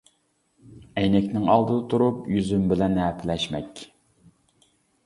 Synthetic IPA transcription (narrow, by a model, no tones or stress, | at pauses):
ɛjnɛkʲnɪŋɑlˠd̪ɨt̪ʰuɾupjyzymbɪlɛnhæpʰɪlɛʃmɛkʲ